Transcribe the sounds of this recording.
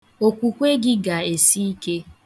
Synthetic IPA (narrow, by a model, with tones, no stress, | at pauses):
o˨kʷu˨kʷe˦ɡɪ˦ɡa˨e˨si˦i˦ke˦